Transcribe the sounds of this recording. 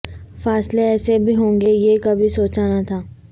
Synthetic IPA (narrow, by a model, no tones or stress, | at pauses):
faːsleɛːsebʱiɦõːŋɡejekɐbʱisoːt͡ʃaːnat̪ʰaː